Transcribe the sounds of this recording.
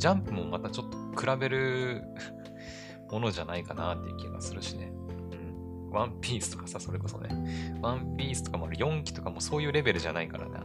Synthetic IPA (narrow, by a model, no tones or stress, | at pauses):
d͡ʑãmpɯ̟mo̞mat̪at͡ɕo̞t̪ːokɯ̟ɾabe̞ɾɯ̟ | mo̞no̞ʑanaikanat̪ːe̞jɯ̟kʲiɡa̰sɨɾɯ̟ɕine | ɯ̟̃ɴ | βãmpʲiːsɨ̥t̪o̞̥kḁsaso̞ɾe̞ko̞so̞̰nḛβãmpʲiːsɨ̥t̪o̞kamoaɾɯ̟jõ̞ŋkʲi̥t̪o̞kamo̞ːso̞ːjɯ̟ːɾe̞be̞ɾɯ̟ʑanaikaɾa̰nḛ